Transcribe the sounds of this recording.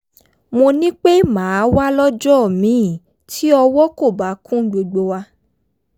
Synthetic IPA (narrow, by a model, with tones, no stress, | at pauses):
mo˧nĩ˦k͡pe˦mãː˨˦wa˦lɔ˦d͡ʒɔ˦˨mĩː˨˦˨ | tʰi˦ɔ˧wɔ˦ko˦˨ba˨˦kũ˦ɡ͡bo˨ɡ͡bo˧wa˧